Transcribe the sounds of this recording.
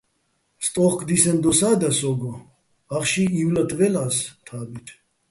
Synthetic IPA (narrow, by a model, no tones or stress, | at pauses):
st̪ʼɔχkʰʼd̪isɛnd̪ɔsaːd̪asɔɡɔ | aχʃiːwlat̪ʼvɛlaːst̪ʰaːbit̪ʰ